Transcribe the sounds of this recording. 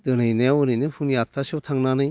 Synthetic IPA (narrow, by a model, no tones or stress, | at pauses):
d̥̪ɯnɯjnewɯɾɯnɯpʰunjat̪ʰɾasɯwtʰaŋnanɯj